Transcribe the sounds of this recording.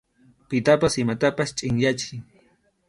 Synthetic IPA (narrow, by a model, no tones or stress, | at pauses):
pɪt̪apasɪmat̪apast͡ʃʼɪŋjat͡ʃɪŋ